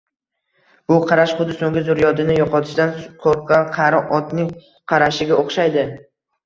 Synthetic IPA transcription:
b̥ʊqʰɑɾaʃχʊd̪ɪsoŋɡʲɪzʊɾjɒd̪ɪnɪjɒqʰɒt̪ʰɪ̥ʃd̪anqʰoɾqːɑqʰɑɾɒʔɒt̪nɪŋ | qʰɑɾaʃɪɡʲaʔoχʃajd̪ɪ

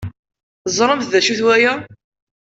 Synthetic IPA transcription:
zˤɾˤəmθðæʃuθwæjæ

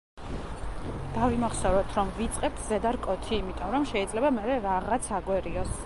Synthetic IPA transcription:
d̪̥avimaχsɔvɾɔt̪ʰɾɔmvit̪sʼqʼɛb̚t̪ʰzɛd̪aɾkʼɔt̪ʰiːmit̪ʼɔmɾɔmʃɛid̪zlɛbamɛɾɛɾaʁat̪sʰaɡʼwɛɾiɔs

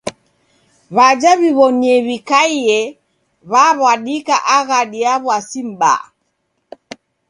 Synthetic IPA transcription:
βad͡ʒaβiβɔniɛβikaiɛ | βaβwaɗikaʔaɣaɗiaβwasim̩ɓa̰

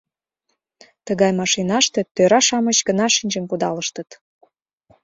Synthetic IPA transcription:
t̪əɣɑjmɑʃinɑʃt̪e̽t̪øɾɑʃɑmət͡ɕɡənɑʃinʲʒəmkud̪ɑləʃt̪ət̪

